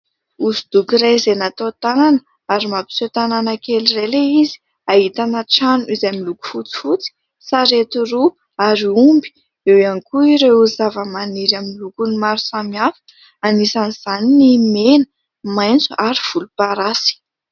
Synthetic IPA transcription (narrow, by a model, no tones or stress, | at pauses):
uzud̪̥ukiɾezenat̪ot̪ananə | aɾimapi̥set̪ananakelireleizi̥ | aɦit̪anaʈ͡ʂanuizamiluku̥fut͡si̥fut͡si̥ | saɾet̪uru | aɾiumbi̥ | ewanikuiɾeuzavəmaniɾaminlukunimaɾu̥samiafə̥ | anisaniz̥aninimenə | majnt͡suʔaɾiv̥ulupaɾasi̥